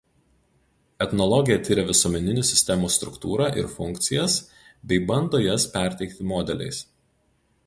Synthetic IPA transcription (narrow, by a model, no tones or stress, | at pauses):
ɛt̪nɔlˠɔɡʲɪjɛt̪ʲɪɾʲɛʋʲɪsuɔmʲɛnʲɪnʲʊsʲɪsʲt̪ʲɛmuːst̪ɾʊ̰kt̪uːɾɑːʔɪ̰ɾfʊŋʲkt̪sʲɪjɛs | bʲɛɪbɐnd̪oːjɛspʲæˑɾʲt̪ʲɛɪkt̪ʲɪmɔːd̪ʲɛlʲɛ̰ɪs